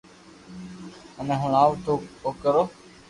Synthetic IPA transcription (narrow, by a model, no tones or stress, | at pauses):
ənẽːɦəɳ̃aːʋt̪ʰoːoːkəɾoː